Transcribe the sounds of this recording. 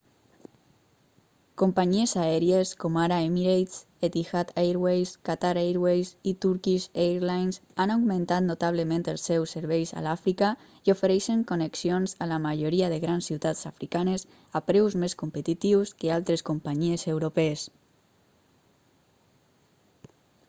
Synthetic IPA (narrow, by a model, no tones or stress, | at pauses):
kompaɲiezaɛɾieskomaɾaemiɾej̪s | et̪ixat̪ajɾwejskat̪aɾejɾwejsit̪uɾkizeɾlajnsanawɡmẽnt̪at̪not̪aβ̞ləmẽnt̪elˠsɛwseɾβɛjsa̰lafɾika | iofeɾɛʃeŋkoneksionzalamaʒoɾiaðeɣɾansːiwt̪at͡safɾikanes | apɾɛwzmeskompet̪it̪iwskealˠt̪ɾeskompaɲiezewɾopɛs